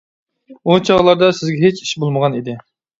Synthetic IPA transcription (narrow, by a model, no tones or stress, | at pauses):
ut͡ʃʰɑʁlˠɑɾd̪ɑsɪzɡʲɛɦet͡ʃʰi̥ʃbolˠməʁɑnid̪ɪ